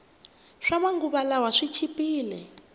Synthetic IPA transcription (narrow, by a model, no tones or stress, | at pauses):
ʂamaŋɡuβalawaʂit͡ʃʰipiːlɛ